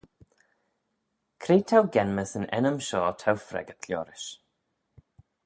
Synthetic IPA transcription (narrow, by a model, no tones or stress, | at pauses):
kʰɾeːtʰawɡɛnməsənɛ̰nəmʃɔːtʰawfɾɛ̰ɡət̪ʰljɔ̰ːɾɪʃ